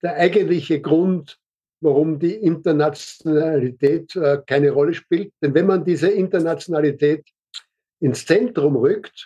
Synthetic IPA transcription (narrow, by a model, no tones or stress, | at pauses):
d̥eːɐʔæɪɡəntlɪçəɡʁʊnt | vaʁʊmdiːʔɪntɐnat͡sonalitʰɛːtːkʰaɪnəʁɔləʃpiːlt̚d̥ɛnvɛnmandiːzəɪntɐnat͡sjonalitʰɛːt | ɪnst͡sɛntʁʊmʁʏkt